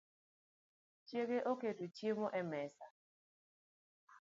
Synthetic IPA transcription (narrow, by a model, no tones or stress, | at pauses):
t͡ʃjekeʔoketut͡ʃjemoʔɛmɛsa